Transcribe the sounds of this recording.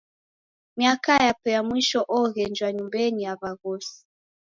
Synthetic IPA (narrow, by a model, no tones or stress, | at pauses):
miakajapɛjamwiʃɔʔɔɣɛnd͡ʒwaɲumbɛnijaβaɣɔsi̥